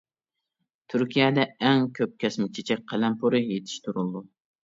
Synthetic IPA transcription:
t̪ʰyɾkʲʰijɛd̪ɛɛŋkʲʰøp̚kʲʰɛsmɪt͡ʃʰet͡ʃʰɛk̚ʲqʰælɛmpʰuɾɨjet̪ʰɪ̥ʃt̪ʰuɾulˠd̪u

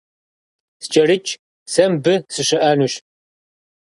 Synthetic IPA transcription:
st͡ʃʼɐrɨt͡ʃʼ | sɐmbɨsɨɕɐʔɐnuːɕ

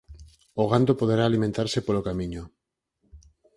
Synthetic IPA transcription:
oɣand̪opoð̞eɾaːlimẽnt̪aɾsepolokamiɲo

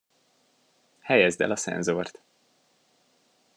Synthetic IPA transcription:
hɛjɛzd̪ɛ̰lɒsɛ̰nzoːrt̪

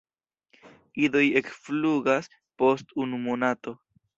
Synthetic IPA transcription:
ido̞je̞kfluɡas | po̞stunumonato̞

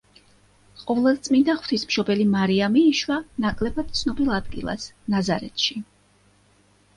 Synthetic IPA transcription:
qʼɔvlˠad̪t̪sʼmind̪aχw̥t̪ʰismʃɔbɛlimaɾiamiːʃwanakʼlɛbad̪̥̚t̪sʰnɔbilˠad̪ɡḭlˠa̰snazaɾɛ̰t̪ʰʃi

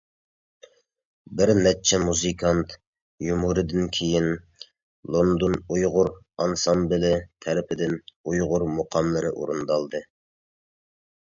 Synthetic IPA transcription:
bɪɾnɛt͡ʃʰɛmuzɨkʰɑnt̪ʰ | jumuɾɨd̪ɪnkʲʰejin | lˠond̪onujʁʊɾ | ɑnsɑmbɪlɪt̪ʰɛɾɪpʰɪd̪ɪnujʁʊɾmoqʰɑmlˠɨɾɨʔṵɾund̪ɑlˠd̪ɨ

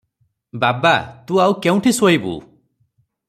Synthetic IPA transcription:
babat̪ũawkeũʈʰisojbṵ

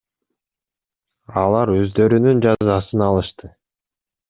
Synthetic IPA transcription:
ɑlˠɑɾø̞zd̪ø̞ɾynynd͡ʒɑzɑsɯnɑlˠɯʃt̪ɯ

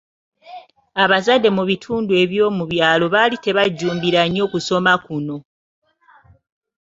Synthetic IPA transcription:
aβazadːe̞muβitʰuːndue̞βjo̞ːmuβjaːlo̞βalite̞βaɟːuːmbiɾaɲo̞ːkuso̞makuno̞

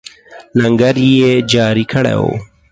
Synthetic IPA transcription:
lɐŋɡəɾjed͡ʒɑːɾikʰəɽḛwo̰

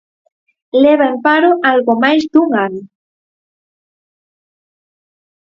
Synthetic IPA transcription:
leβaempaɾoʔalɣomajsd̪uŋan

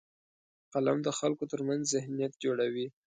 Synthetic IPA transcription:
qalamd̪əxalkot̪əɾmanzzɪhnijat̪̚d͡ʒoɽawi

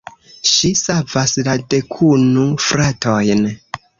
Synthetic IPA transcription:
ʃisavaslade̞kʰunufɾatʰojn

